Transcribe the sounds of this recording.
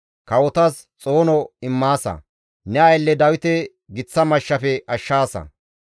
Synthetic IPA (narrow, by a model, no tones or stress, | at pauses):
kɐwɔt̪ɐs | t͡sʼo̞ːnɔɪmːaːsɐ̰ | nɛɐjlːɛd̪ɐwɪt̪ɛ | ɡɪt͡sːɐmɐʃːɐfɛʔɐʃːaːsɐ̰